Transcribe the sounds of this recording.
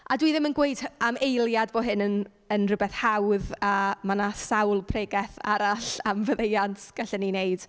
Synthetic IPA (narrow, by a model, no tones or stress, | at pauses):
adwiðɪmənɡwejdamejlˠjadboɦɪnən | ənrʊbɛθhawðamanasawlˠpʰreɡɛθa̰ɾaɬamvəðejantʰɡ̥ɛɬəninejd̥